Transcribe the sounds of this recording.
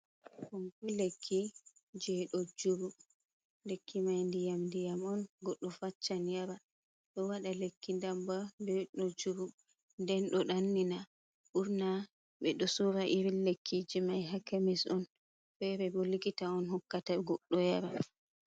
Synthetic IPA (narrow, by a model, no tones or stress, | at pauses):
kɔmkɔlekʰːid͡ʒɛɗɔd͡ʒuɾu | lekʰːimajndijamndijamɔnɡɔɗːɔfat͡ʃːanjaɾa | ɗɔwaɗalekːindambadɛɗɔd͡ʒuɾu | ndɛnɗɔɗanːina | ʔuɾna | ɓɛɗɔsuɾaʔiɾilekʰːid͡ʒimajɦakamisɔn | fɛbɛbolikitaɔnhɔkːataɡɔɗːɔjaɾa